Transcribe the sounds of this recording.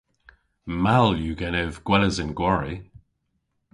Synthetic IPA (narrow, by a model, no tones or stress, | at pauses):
maljuɡɛnɪvɡ̥wɛləzɪnɡwaɹi